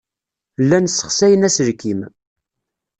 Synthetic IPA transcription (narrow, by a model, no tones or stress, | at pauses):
lːænsːə̥χsæjənæsəɾkim